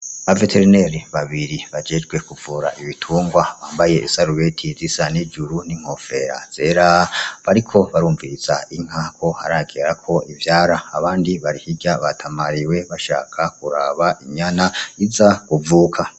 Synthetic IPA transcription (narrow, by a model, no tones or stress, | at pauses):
ave̞tʰeɾine̞ɾiβaβiɾiβad͡ʒe̞d͡ʒɡwe̞kuvuːɾaʔiβitʰuːŋɡwaβaːmbaje̞ʔisaɾuβe̞tʰizisanid͡ʒuɾun̥iŋ̥ho̞fe̞ɾa̰z̥e̞ɾaβaɾikʰo̞βaɾuːɱviɾiz̥aiŋ̥hakʰo̞haɾaɡeɾakʰo̞ivjaːɾaːβaːndiβaɾihiɡaβatʰamaɾiwe̞βaʃa̰ːkʰakuɾa̰βaʔiɲanaizaɡ̥uvuːkʰa